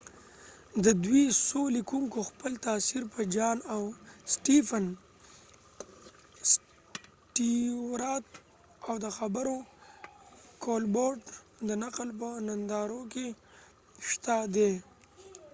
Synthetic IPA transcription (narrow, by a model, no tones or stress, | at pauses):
d̪əd̪wisolikuŋkoxpəlt̪ɑsiɾpəd͡ʒɑnawsʈifən | s | ʈiwɾɑt̪̚ | awd̪əxabəɾo | kolboɾɖ | d̪ənaqlp̬ənand̪ɑɾoke | ʃt̪ad̪e